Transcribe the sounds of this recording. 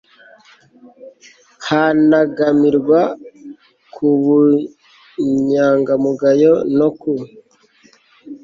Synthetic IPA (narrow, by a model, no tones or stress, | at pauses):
hanaɡamiɾɡwa | kʰuβu | ɲaːŋɡamuɡajonoku